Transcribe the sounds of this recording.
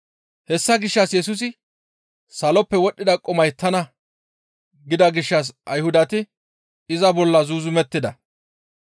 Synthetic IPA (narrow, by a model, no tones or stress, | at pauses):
hɛsːɐɡɪʃːɐsjɛsʊs̬ɪ | sɐlɔpːɛwɔɗːɪd̪ɐkʼɔmɐjt̪ʰɐnɐ | ɡɪd̪ɐɡɪʃːɐs̬ʔɐjhʊd̪ɐt̪ɪ | ɪzɐbɔlːɐzuːzʊmɛt̪ːɪd̪ɐ